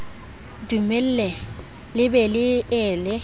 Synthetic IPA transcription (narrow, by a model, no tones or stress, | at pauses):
dumɛl̩lɛ | lɪbɛlɪɛːlɪ